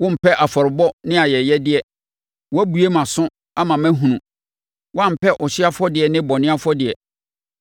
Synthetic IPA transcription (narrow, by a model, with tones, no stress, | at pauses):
wʊ̃˦m̩˨pʰɛ˦ʔa˨fɔ˨ɾɪ˨bɔ˦nɪ̃˦a˨jɛ˨jɛ˦dɪ˦ɛ˨ | wɔ˦æ˦bu˨e˦mã˨sʊ̃˦ | a˦mã˨mæ̃˦ɦũ˨nũ˨ | wɔ˦ã˦˨m̩˨pʰɛ˦ʔɔ˨ɕɪ˦a˦fɔ˦dɪ˨ɛ˨nɪ̃˦bɔ˨nɪ̃˦a˦fɔ˦dɪ˨ɛ˨